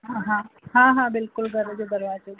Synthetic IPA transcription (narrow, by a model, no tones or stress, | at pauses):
ɦaɦãɦãɦãbɪlkʊlɡʱəɾəd͡ʒoɡəɾjat͡ʃe